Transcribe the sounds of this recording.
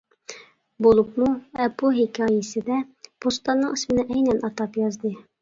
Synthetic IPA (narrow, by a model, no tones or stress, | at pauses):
bulˠɤpmuæpuɦikɘɑjɘsɘ̆d̪æpust̪ɑnːɤɴɘ̆smɘ̆nɘʔæjnænʔɑt̪ɑpjɑzd̪ɤ